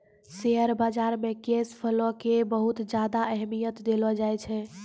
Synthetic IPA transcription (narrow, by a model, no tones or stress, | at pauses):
seɦəɾbad͡ʒaɾmekespʰəlɔkebəɦut̪d͡ʒad̪aʔɛɦmijət̪d̪elɔd͡ʒajt͡ʃʰɛ